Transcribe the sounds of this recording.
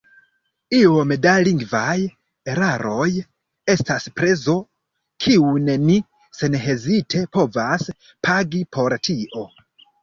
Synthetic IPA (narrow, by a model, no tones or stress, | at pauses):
iomedaliŋɡvaj | e̞ɾaɾo̞j | e̞staspɾe̞zo̞ | kʰiuneni | se̞nɦe̞zitʰe̞po̞vas | pʰaɡipʰo̞ɾtʰiʔo̞